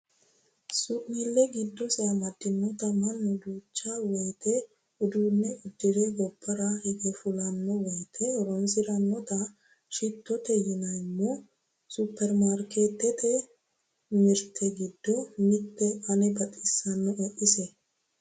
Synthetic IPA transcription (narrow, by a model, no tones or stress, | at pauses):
suʔnɪlːɛɡɪd̪ːɔsɪɐmɐd̪ːɪnːɔt̪ɐmɐnːɔd̪uːt͡ʃːawɔjt̪ʰɛ | ʊd̪uːnːɛʊd̪ːɪd̪ɛɡɔbːɐɾɐhɛɡɛfʊlɐnːɔwɔjt̪ʰɛɾɔnsɪɾɐnːɔt̪ɐ | ʃɪt̪ːɔt̪ɛjɪnɐjmːɔ | supʰːɛɾmaɾkeːt̪ːɛt̪ɛ | mɪɾt̪ʰɛɡɪd̪ːɔmɪt̪ːɛʔɐnɛbɐt̪ʼːɪsːɐnːɔʔɛʔɪsɛ